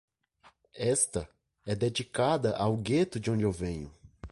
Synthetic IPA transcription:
ɛst̪ɐ | ɛd̪ed͡ʒikad̪ɐʔawɡet̪ʊd͡ʒɪõnd͡ʒɪewvẽɲʊ

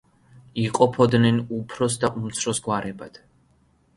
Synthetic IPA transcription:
iqʼɔpʰɔd̪nɛnupʰɾɔs̬d̪aʔumt̪sʰɾɔsɡwaɾɛbad̪̥

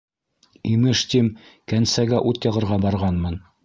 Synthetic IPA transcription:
imɘʃt̪imkænsæɡæʔut̪jɑʁɤ̆ɾʁɑbɑɾʁɑnmɤn

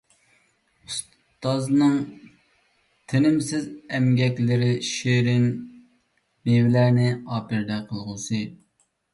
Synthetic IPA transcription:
us | t̪ɑznɨŋ | t̪ʰɪnɪmsɪzɛmɡʲɛkʲlɪɾɪʃeɾɪn | ewɪlæɾnɪɑːpɪɾd̪ɛqʰəlˠʁəsɨ

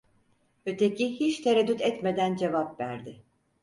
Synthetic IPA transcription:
ø̞t̪ʰe̞cʰihit͡ʃt̪ʰeɾɛd̪ːyt̪ɛt̪me̞d̪ænd͡ʒe̞vapvæ̰ɾd̪ɪ

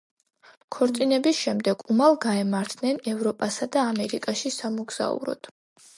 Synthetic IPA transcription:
kʰɔɾt̪sʼinɛbisʃɛmd̪ɛɡ̥umalˠɡaɛmaɾt̪ʰnɛnɛvɾɔpʼasad̪aːmɛɾikʼaʃisamuɡz̥a̰ṵɾɔ̰d̪̥

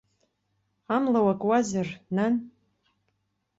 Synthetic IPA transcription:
amlawakʼwazɨrnan

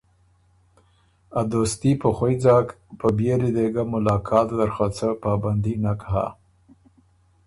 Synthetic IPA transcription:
ad̪ost̪ipəxojd͡zɑk | pəbjeɾid̪eɡamʊlɑːkʰɑːt̪d̪əɾxat͡səpɑːband̪inakɦa̰

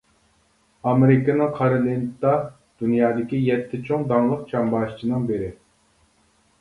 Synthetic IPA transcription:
ɑmeɾɪkənɨŋqʰɑɾɨlˠint̪ɑ | d̪̥ynjɑːd̪ɪkʲijɛt̪ʰːɪt͡ʃʰoŋd̪ɑŋlˠəq̚t͡ʃʰɑmbɑːʃt͡ʃʰinɨŋbeɾɪ

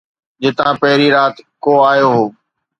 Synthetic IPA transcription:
d͡ʑɪt̪ãːpɐɦɪɾiɾaːt̪koːaːjoːɦoː

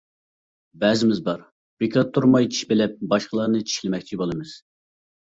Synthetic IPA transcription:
bɛzɪmɪzbɑɾ | bɾɪkʲʰɑt̪ʰːuɾmɑjt͡ʃʰi̥ʃbɪlɛp̚bɑʃqəlˠɑɾnɨt͡ʃʰi̥ʃlɪmɛk̚ʲt͡ʃʰibolˠɨmɨz̥

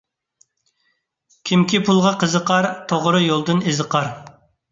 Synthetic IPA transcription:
kʲʰimkʲʰipʰulˠʁɑqʰəzəqɑɾt̪ʰoʁɾɨjolˠd̪ɨnezəqɑɾ

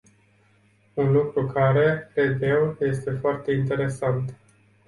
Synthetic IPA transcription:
unlukɾukʰaɾe̞kɾe̞d̪je̞wje̞st̪e̞foart̪e̞int̪e̞ɾe̞sant̪

